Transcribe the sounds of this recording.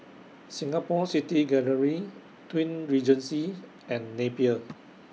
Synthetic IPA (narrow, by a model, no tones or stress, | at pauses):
sĩŋapɔsitiɡɛləɹi | twĩnɹid͡ʒə̃nsi | ɛ̃nːepiə